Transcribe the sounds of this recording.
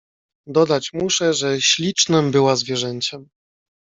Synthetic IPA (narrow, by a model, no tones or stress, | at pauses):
d̪ɔd̪at͡ɕmuʂɛʐɛɕlʲit͡ʂnɘmbɘwazvʲjɛʐɛɲt͡ɕɛm